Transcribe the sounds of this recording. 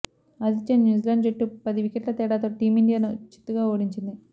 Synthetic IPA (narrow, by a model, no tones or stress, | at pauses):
ɐd̪it͡ʃːennjuːzilɐɳɖd͡ʒeʈːupɐd̪iʋikeʈlɐt̪ɛːɽaːt̪oːʈiːmiɳɖijaːnut͡ʃi̥t̪ːuɡaːoːɽiɲt͡ʃind̪i